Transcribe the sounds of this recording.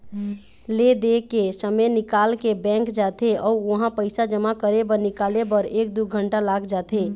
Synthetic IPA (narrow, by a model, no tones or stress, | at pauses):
led̪ekesəmenɪkaːlkebɛ̃ŋkd͡ʒat̪eɔːoɦãpəɪsad͡ʒəmakəɾebəɾnɪkaːlebəɾeːk̚d̪uɡʱəɳʈalaɡd͡ʒat̪e